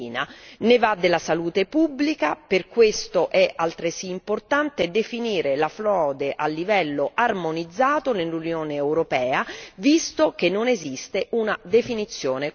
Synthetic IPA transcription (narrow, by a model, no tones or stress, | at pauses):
nanevad̪ːelasaluːt̪epubːlikaperkwest̪oʔɛʔalt̪ɾesiːmport̪ant̪ed̪efiniːɾelaflɔːd̪eʔalːivɛlːoʔarmonid̪zːaːt̪onelunjoːneːwɾopɛːavist̪ok̟enːonezist̪eunad̪efinit̪sːjoːne